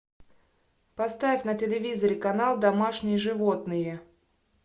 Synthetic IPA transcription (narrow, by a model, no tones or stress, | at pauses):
pɐst̪avʲɪfʲnətʲɪlʲɪvʲizəɾʲɪkɐnalˠd̪ɐmaʂnʲɪjəʐɨvot̪nɨjə